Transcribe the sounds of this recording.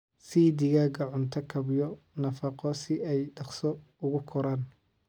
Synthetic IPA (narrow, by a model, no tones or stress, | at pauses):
siːd̪ɪɣaɡɐʕʊnt̪ʰɐkʰɐbjɔ | nɐfɐqɔsɪɛjɖɑqsɔ | ʊɣʊkʰɔɾaːn